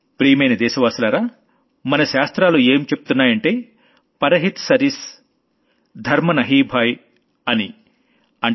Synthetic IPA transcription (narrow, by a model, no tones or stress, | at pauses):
pɾiːmejnɐd̪ɛːʃɐʋaːsulaːɾaː | mɐnɐʃaːst̪ɾaːlueːmt͡ʃepu̥t̪unːaːjɐɳʈe̞ː | pɐɾɐɦit̪sɐɾis | d̪ʱɐɾmɐnɐɦiːbʱaːj | ɐni | ɐɳ